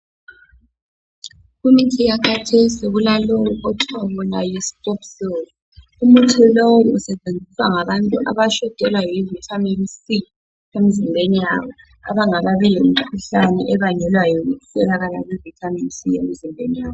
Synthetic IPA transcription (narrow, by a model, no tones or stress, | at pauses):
ɣumitʰijakatʰesiɣulalowuʔɔtʰawɔnajispʼɔpsoz | umutʰilowuusɛt͡ʃʼend͡zʱiswaŋaβantʼuʔa̰βaʃɔtʼɛlwajɔivitʰaminsi | emizimbʱenija̰ːβɔ | a̰βaŋaβaβɛlemikʰuɬanɛʔɛβaɲɛlwajɔuusɛlaɣala̰ɣivitʰaminsijḛm̩zimbʱenijaːβɔ